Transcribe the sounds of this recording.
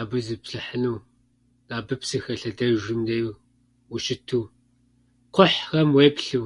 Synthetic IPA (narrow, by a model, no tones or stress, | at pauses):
aːbɨzɨpɬɨħənɨw | d̥aːbɨpsɨxɐɬɐdɐʒɪmdejw | wʊʃɪtʰuw | qʷʊħrɐmweːpɬɨw